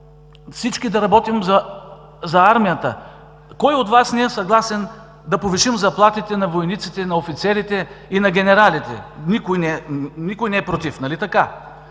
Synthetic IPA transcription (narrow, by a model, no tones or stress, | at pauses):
fsit͡ʃkid̪ɐɾɐbɔt̪imzɐ | zɐaɾmijət̪ə̰ | kɔjot̪vasniɛsɐɡlˠasɛn | d̪ɐpoviʃimzɐplˠat̪it̪ɛnɐvojnit̪sit̪ɛnɐofit̪sɛɾit̪ɛinɐɡʲɛnɛɾalit̪ɛ̰nikojnɛnikʊjnɛɛpɾot̪ifnɐlit̪ɐka